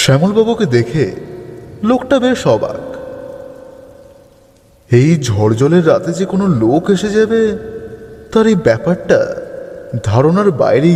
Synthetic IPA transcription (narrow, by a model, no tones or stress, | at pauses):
ʃɛmolbabuked̪ekʰe | lok̚ʈabeɾʃɔba̰k | ejd͡ʑʱɔɽd͡ʑɔleɾːat̪ed͡ʑekonolokeʃed͡ʑabe | t̪aɾejbɛpaɾʈa̰ | d̪ʱaɾonaɾba̰jɾe